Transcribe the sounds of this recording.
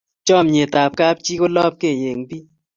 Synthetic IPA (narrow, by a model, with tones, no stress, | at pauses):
t͡ʃɔ˦˨mɲe˨ta˨p̚ka˦p̚t͡ʃi˦ko˦lɔ˦p̚ke˦˨ɲe˨ŋbi˦